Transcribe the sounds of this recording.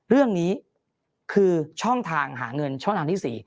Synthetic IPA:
ɾɯ˥˩əŋniː˦˥ | kʰɯː˧t͡ɕʰɔ˥˩ŋt̪ʰaː˧ŋɦa̰ː˩˦ŋɤ˧nt͡ɕʰɔ˥˩ŋt̪aː˧ŋt̪ʰi˥˩sḭː˨˩

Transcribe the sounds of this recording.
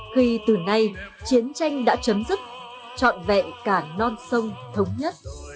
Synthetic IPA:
xi˧t̪ɨ˨˩na˧jt͡ɕi˨˦ənt͡ɕa˧jŋ̟ɗa̰ː˧˥t͡ɕə˨˦mzɨ˦˥k̚ | t͡ɕɔ̰˧˨nvɛ̰˧˨kaː˧˩nɔ˧nsə˧wŋ͡mt̪ʰə˨˦wŋ͡mɲə˦˥t̚

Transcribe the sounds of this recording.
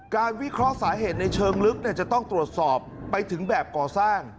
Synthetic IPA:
kaː˧nwi˦˥kʰɾɔ˦˥saː˩˦ɦeː˨˩t̪̚na˧jt͡ɕʰɤː˧ŋlɯ˦˥k̚ni˥˩t͡ɕa˨˩t̪ɔ˥˩ŋt̪ɾu˨˩ət̪̚sɔː˨˩pːa˧jt̪ʰɯ˩˦ŋbɛː˨˩p̚kɔː˨˩saː˥˩ŋ

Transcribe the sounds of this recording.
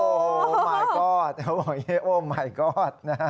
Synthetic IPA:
o˧˨maː˨˩ɡɔ˥˩t̚o˧˩je˥˧ʔo˧˩ma˨˩jɡɔ˥˩t̚na˧˥

